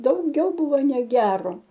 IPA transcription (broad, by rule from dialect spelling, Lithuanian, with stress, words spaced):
dɐʊˈɡʲɛʊ ˈbʊʋoː nʲɛˈɡʲæːroː